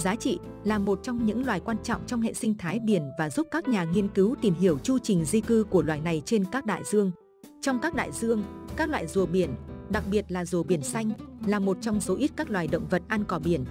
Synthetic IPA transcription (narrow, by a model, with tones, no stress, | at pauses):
zaː˨˦t͡ɕḭ˧˨ | laː˨˩mo˨˩t̚t͡ɕɔ˧wŋ͡mɲɨ̰˧˥ŋlwaː˨˩jkwaː˧nt͡ɕɔ̰˧˨wŋ͡mt͡ɕɔ˧wŋ͡mhḛ˧˨sï˧ŋ̟t̪ʰaː˨˦jɗi˧˩ənvaː˨˩zu˦˥p̚kaː˦˥k̚ɲaː˨˩ŋi˧ənkɨ˨˦wt̪i˨˩mɦi˧˩əwt͡ɕu˧t͡ɕï˨˩ŋ̟zi˧kɨ˧ku˧˩əlwaː˧˨jna˨˩jt͡ɕe˧nkaː˦˥k̚ɗa̰ː˧˨jzɨ˧əŋ | t͡ɕɔ˧wŋ͡mkaː˦˥k̚ɗa̰ː˧˨jzɨ˧əŋkaː˦˥k̚lwa̰ː˧˨jzu˨˩əɓi˧˩ənɗa˨˩k̚ɓi˨˩ət̚laː˨˩zu˨˩əɓi˧˩ənsa˧jŋ̟laː˨˩mo˨˩t̚t͡ɕɔ˧wŋ͡mzo˨˦ʔi˦˥t̚kaː˦˥k̚lwaː˨˩jɗə̰˧˨wŋ͡mvə˨˩t̚ʔa˧nkɔ˧˩ɓi˧˩ən